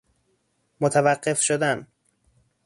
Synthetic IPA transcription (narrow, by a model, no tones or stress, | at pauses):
mot̪ʰævæɢːe̞fʃod̪æn